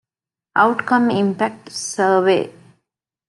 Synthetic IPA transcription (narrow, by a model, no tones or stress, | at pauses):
ʔɐwʈkɐmimpæk̚ʈsəːʋḛː